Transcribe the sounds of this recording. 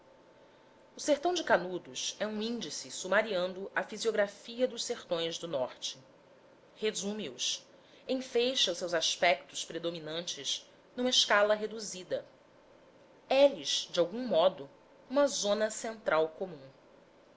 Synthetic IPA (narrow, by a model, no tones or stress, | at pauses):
ʊseχt̪ɐ̃w̃d͡ʒɪkanud̪ʊsɛũĩnd͡ʒisɪsumaɾiɐ̃nd̪ʊʔɐfizioɡɾafiɐd̪ʊʃseχt̪õj̃zd̪ʊnɔχt͡ʃɪ̥ | hezũmiʊs | ẽj̃fejʃɐwsewzaʃpɛk̚t̪ʊspɾed̪ominɐ̃nt͡ʃɪʃ | nũmɐɪʃkalɐɦed̪uzid̪ɐ | ɛliʃd͡ʒɪawɡũmɔd̪ʊ | ũmɐzõnɐsẽnt̪ɾawkomũ